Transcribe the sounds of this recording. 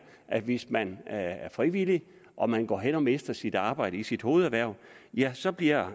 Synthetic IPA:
ʔæ̥ʋe̝smænæɐfʁiʋili | ʔɒ̽mænɡ̥ɒ̰ːɦenɒ̽me̝sd̥ɐsid̥ɑ̈ːb̥ɑ̈ɪ̰ɾəisid̥ho̝ːð̩ˠæʋæɐ̰ | jæsɒ̽b̥liɐ̰

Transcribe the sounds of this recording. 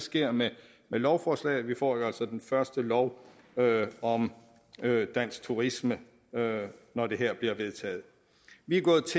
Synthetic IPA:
sɡ̥e̝ɐ̰me | melɒʊfɒːslɛ̰ːð̩ˠʋifɒ̰ːjo̝ælsɒd̥enfɶɐsd̥əlɒʊ | øɒ̽m | ød̥æn̰sɡ̥̚t͡sʰuʁismə | ønɒd̥e̝ɦeɐ̰b̥liɐʋe̝ð̞ˠt͡sʰɛ̰ːð̩ˠ | ʋiɡ̥ɔ̽ːð̩ˠt͡sʰe

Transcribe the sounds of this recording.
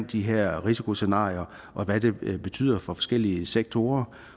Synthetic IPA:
n̰d̥iɦeɐ̰ʁisikʰo̝se̝nɑ̰̈ːiɐ | ʔɒ̽ʋæd̥e̝b̥e̝t͡sʰy̰ːð̰ˠɐfɒ̽fɒ̽sɡ̥el̰iəseɡ̥̚t͡sʰo̝ːɐ

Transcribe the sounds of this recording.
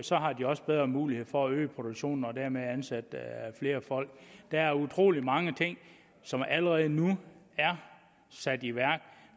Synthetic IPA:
sɒ̽ɦɑ̈d̥iɒ̽sb̥eð̞ˠʁɐːmuːlihe̝ð̰ˠfɒ̽æø̰ːpʰʁo̝d̥o̝ɡ̥ɕo̝̰ːnn̩ɒ̽d̥æɐmeænsæd̥fle̝ːɐfɒ̽l̰ɡ̥d̥ææɐut͡sʰʁo̝̰ːlimɑ̈ŋət͡sʰe̝ŋ̰ | sɒ̽mæləʁɛːð̞̩ˠnu | æɐ | sæd̥iʋæɐ̰ɡ̥

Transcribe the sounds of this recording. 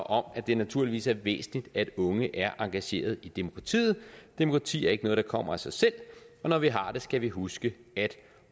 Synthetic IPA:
ʔɒ̽mæd̥e̝næt͡sʰuɐ̰liʋḭːsæɐʋḛːsn̩id̥æd̥ɔ̽ŋəʔæɐʔɑ̈ŋɡ̥æɕe̝̰ːɐð̞ˠid̥e̝mo̝kʰʁɑ̈t͡sʰḭːð̞̩ˠd̥e̝mo̝kʰʁɑ̈t͡sʰḭːæɐeɡənɔ̽ːð̞̩ˠd̥ɑkʰɒ̽m̰ɐ̰æsɑ̈ɪsel̰ɒ̽nɒʋiɦɑ̈d̥e̝sɡ̥æʋiɦusɡ̥əæd̥

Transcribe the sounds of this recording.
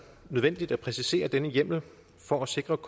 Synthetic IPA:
nøðˠʋen̰d̥id̥æpʰʁɛsise̝̰ːɐd̥enəjem̰l̩ | fɒ̽æse̝ɡ̥ʁɐkʰ

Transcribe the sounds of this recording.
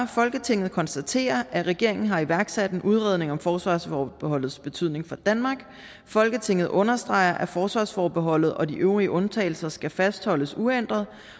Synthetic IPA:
fɒ̽lɡ̥ət͡sʰe̝ŋ̰ð̞̩ˠkʰɒnsd̥æt͡sʰe̝̰ːɐʔæʁɛɡ̥e̝ɐ̰e̝ŋn̩ɦɑ̈iʋæɐɡ̥sæd̥e̝nʔuð̞ˠʁeðˠne̝ŋɒ̽mfɒːsʋɑ̈ːsfɒːb̥e̝hɒ̽l̰ð̞̩ˠsb̥e̝t͡sʰyð̰ˠne̝ŋfɒ̽d̥ænmɑ̈ːɡ̥ | fɒ̽lɡ̥ət͡sʰe̝ŋ̰ð̩ˠʔɔ̽nɐsd̥ʁɑ̈ɪ̰ɐʔæfɒːsʋɑ̈ːsfɒːb̥e̝ɦɒ̽l̰ð̞̩ˠʔɒ̽diʔøʊʁiəʔɔ̽nt͡sʰɛ̰ɪl̩sɐsɡ̥æfæsd̥hɒ̽l̰əsuen̰d̥ʁɐðˠ

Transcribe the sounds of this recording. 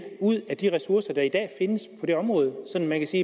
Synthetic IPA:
uð̰ˠæd̥iʁɛsuɐsɐd̥ɑ̈id̥ɛ̰ːfe̝nəspʰɒ̽de̝ɒ̽mʁɔ̽ːð̞ˠsɒ̽n̰mænkʰæsiː

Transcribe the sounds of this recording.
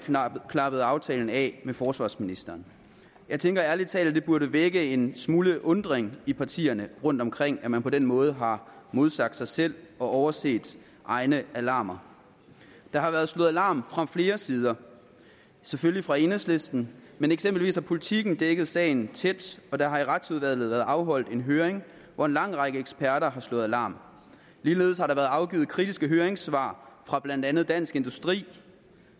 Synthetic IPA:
kʰnɑ̈b̥əð̩ˠɑ̈ʊt͡sʰɛːln̩ɛmefɒːsʋɑ̰̈ːsminisd̥ɐːn | jɑ̈ɪt͡sʰeŋɡ̥ɐæɐlit͡sʰɛ̰ːld̥e̝b̥uɐɾ̥əʋeɡ̥əe̝nsmuːləʔɔ̽nd̥ʁeŋipʰɑ̈t͡sʰḭːɐnəʁɔ̽n̰d̥ɒ̽mkʰʁeŋ̰æmænpʰɒ̽d̥enmɔ̽ːð̞̩ˠɦɑ̈mo̝ð̞ˠsɑ̈ɡ̥̚d̥sɑ̈ɪsel̰ɒ̽ʔɒʊɐse̝̰ːd̥ | ʔɑ̈ɪnəʔælɑ̈ːmɐ | d̥ɑ̈ɦɑ̈ʋæːɐð̞̩ˠslɔð̩ˠælɑ̈ːmfʁɑ̈fle̝ːɐsiːð̞ˠɐ | seføllifʁɑ̈e̝nesle̝sd̥n̩meneɡ̥semb̥l̩ʋḭːshɑ̈pʰo̝lit͡sʰiɡ̥n̩d̥eɡ̥əð̞̩ˠsɛ̰ɪn̩t͡sʰed̥ɒ̽d̥ɑ̈ɦɑ̈iʁad̥suð̞ˠʋæɐð̰ð̩ˠʋæːɐð̩ˠɑ̈ʊɦɒ̽l̰d̥e̝nɦøːɐeŋ | ʋɒe̝nlɑ̈ŋ̰ʁɑɡ̥əeɡ̥sb̥æɐɾɐɦɑ̈slɔ̽ːð̩ˠælɑ̈ːm | liːle̝̰ːð̞̩ˠshɑ̈ɾɑ̈ʋæːɐð̩ˠɑ̈ʊɡ̥ḭːð̩ˠkʰʁid̥isɡ̥əɦøːɐeŋsʋɑ̰̈ːfʁɑ̈b̥lænd̥ænð̞̩ˠd̥æn̰sɡ̥e̝nd̥usd̥ʁḭː

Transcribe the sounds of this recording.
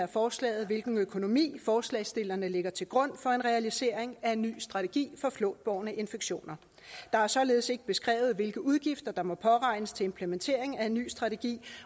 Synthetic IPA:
æɐfɒːslɛ̰ːð̞̩ˠʋe̝lɡ̥n̩økʰo̝no̝mḭːfɒːslɛ̰ɪsd̥e̝lɐnəle̝ɡ̥ɐt͡sʰe̝lɡ̥ʁɔ̽n̰fɒ̽e̝nʁɛælise̝ɐ̰eŋæe̝nːy̰ːsd̥ʁɑ̈t͡sʰe̝ɡ̥ḭːfɒ̽flɔ̰ːd̥̚b̥ɒʊnəʔe̝nfeɡ̥ɕo̝̰ːnɐ | d̥ɑ̈æɐsɒ̽le̝ːð̞̩ˠse̝ɡ̥əb̥e̝sɡ̥ʁɛ̰ːʊð̞̩ˠʋe̝lɡ̥əuð̞ˠɡ̥ifd̥ɐd̥ɑ̈mɒ̽pʰɒ̽ʁɑ̈ɪnəst͡sʰe̝lempʰlement͡sʰe̝̰ɐ̰eŋæe̝nːy̰ːsd̥ʁɑ̈t͡sʰe̝ɡ̥ḭː

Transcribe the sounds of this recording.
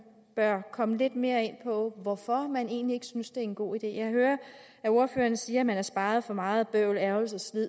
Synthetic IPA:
b̥ɶɐkʰɒ̽məle̝d̥me̝ːɐe̝n̰pʰɒ̽ʋɒfɒ̽mæne̝ːnlie̝ɡ̥əsynsd̥e̝æɐenɡ̥o̝̰ːid̥e̝̰ːjɑ̈ɪɦøːɐ | æo̝ɐfø̰ːɐnsiːɐæmænæɐsb̥ɑ̈ːð̞̩ˠfɒ̽mɑ̈ːð̩ˠb̥œʊlæɐʊl̩sɒ̽slið̰ˠ

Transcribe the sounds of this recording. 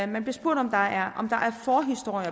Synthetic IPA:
mænb̥liɐsb̥o̝ɐ̰d̥ɒ̽md̥ɑ̈æɐʔɒ̽md̥ɑ̈ʔæɐfɒːɦisd̥o̝ɐ̰jɐ

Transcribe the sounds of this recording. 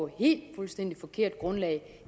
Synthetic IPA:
ɒhe̝̰ːld̥fulsd̥en̰d̥ifɒ̽kʰe̝ɐ̰d̥ɡ̥ʁɔ̽nlɛɪ

